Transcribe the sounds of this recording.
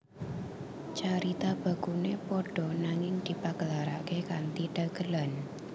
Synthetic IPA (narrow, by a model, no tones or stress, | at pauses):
t͡ʃaɾit̪ab̥a̤ɡ̥unepɔɖ̥ɔ̤naŋɪŋd̪̥i̤paɡəlaɾa̰kekant̪iɖ̥a̤ɡ̥ə̤lan